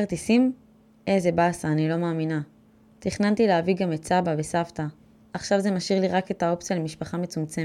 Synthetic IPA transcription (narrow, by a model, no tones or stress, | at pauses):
aʁt̪isim | eze̞basaːnilo̞maːmina | t̪iχnant̪ileaviɡamett͡sabave̞saft̪a | aχʃavze̞maʃiʁliʁake̞t̪ao̞p̚t͡sjalemiʃpaχame̞t͡sumt͡se